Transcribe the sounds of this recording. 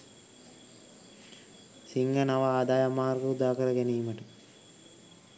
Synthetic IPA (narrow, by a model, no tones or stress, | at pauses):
siŋɡənaʋaaːd̪aːjamaːrɡəud̪aːkəɾəɡɛniːməʈə